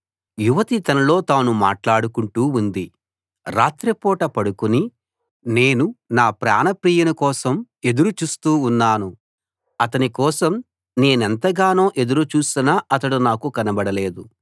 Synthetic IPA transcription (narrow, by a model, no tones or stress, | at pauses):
juʋɐt̪it̪ɐnɐlo̞ːt̪aːnuma̰ːʈlaːɽukuɳʈuːund̪i | ɾaːt̪ɾɐpɔːʈɐpɐɽukuni | ne̞ːnunaːpɾa̰ːnɐpɾiːjɐnukɔːsɐm | e̞d̪uɾut͡ʃuːst̪uːunːaːnu | ɐt̪ɐnikɔːsɐm | ne̞ːnɐnt̪ɐɡaːno̞ːʔe̞d̪uɾut͡ʃuːsinaɐt̪ɐɽunaːkukɐnɐbɐɽɐle̞ːd̪u